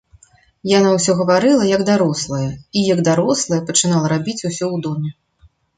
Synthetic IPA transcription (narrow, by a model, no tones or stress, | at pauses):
janawsʲɔɣɐvaɾɨlˠɐjɐɡd̪aɾɔslˠɐjɐijɐɡd̪aɾɔslˠɐjɐpɐt͡ʂɨnalˠɐɾabʲit͡sʲusʲɔwd̪ɔmʲɛ